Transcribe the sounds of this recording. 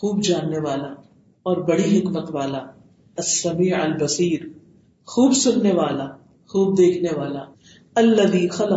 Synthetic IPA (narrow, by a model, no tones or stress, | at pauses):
xuːb̚d͡ʒaːnːeʋaːla | ɔːɾbɐɽiɦɪkmət̪ʋaːla | ɐsːɐmiːʕɐlbɐsiːɾ | xuːbsʊnːeʋaːla | xuːb̚d̪eːkʰneʋaːla | ɐlːɐðiːxɐlɐ